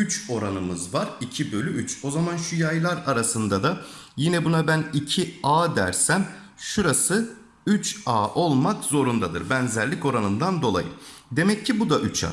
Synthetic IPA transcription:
yt͡ʃo̞ɾanɯmɯzvaɾicʰibø̞lʲyyt͡ʃo̞zamanʃujajlˠaɾaɾasɯnd̪ad̪a | jinɛbunabænicʰiaːd̪æ̰ɾsæm | ʃuɾasɯ | yt͡ʃaːʔo̞lˠmakzo̞ɾund̪ad̪ɯɾbænzæɾlʲico̞ɾanɯnd̪and̪o̞lˠa̰jɯ̰d̪e̞mɛcʰːibud̪aʔyt͡ʃʰa̰ː

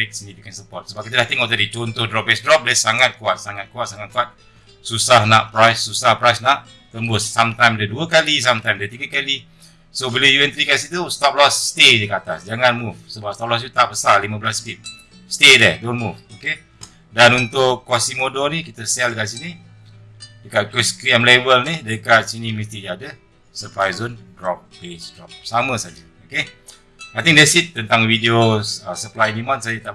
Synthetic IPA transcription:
ɛk̚sinipikɛnsəpɔt̪̚səbap̚kit̪əlaht̪ɛŋoʔ̚t̪adit͡ʃɔnt̪ʊhdɾɔp̚bɛsdɾɔp̚dɛsaŋat̪̚kuat̪̚saŋat̪̚kuat̪̚saŋat̪̚kuat̪̚ | susahnaʔpɾajsːusahpɾajsnaʔ | t̪əmbʊsːamt̪ajmdəduəkalis̬amt̪ajmdət̪iɡəkali | sobilajuɛnt̪ɾikasit̪ust̪ɔp̚lɔsːt̪ed͡ʒəkat̪a̰sd͡ʒaŋanmufsəbapst̪ɔp̚lɔs̬it̪ut̪aʔbəsallimə̃bəlaspip̚ | st̪edɛdonmufoke | danunt̪ʊʔkːɔsimodonikit̪əsɛldəkaʔsini | dəkat̪̚kuskɾiəmlevəlnidəkat̪̚siniməst̪id͡ʒadə | səpɾajzonɡɾɔp̚besɡɾɔp̚saməsad͡ʒə | oke | ajt̪iŋdɛsit̪̚ːənt̪aŋvideoəsəplajdimãnsad͡ʒət̪aʔ

